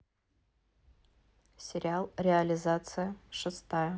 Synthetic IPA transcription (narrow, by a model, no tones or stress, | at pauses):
sʲɪɾʲɪalˠɾʲɪɐlʲɪzat̪sɨjəʂɨst̪ajə